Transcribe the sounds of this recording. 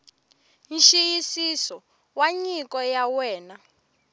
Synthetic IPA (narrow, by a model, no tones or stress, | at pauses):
nʃijisisɔ | waɲikɔjawɛːna